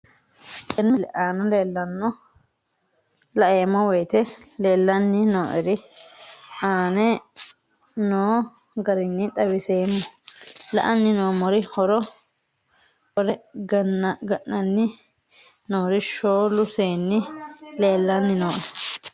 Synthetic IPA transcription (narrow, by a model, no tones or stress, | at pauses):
kʼɛnɪlɛʔaːnɐleːlːɐnːɔ | lɐʔeːmːɔwɔjt̪ɛleːlːɐnːɪnoːʔɛɾɪ | aːnɛ | noː | ɡɐɾɪnːɪt̪ʼɐwɪseːmːɔlɐ̰ʔɐnːɪnoːmɔɾɪhɔɾɔ | hɔɾɛɡɐnːɐɡɐʔnɐnːɪ | noːɾɪʃoːlʊseːnːɪle̞ːlːɐnːɪnoːʔɛ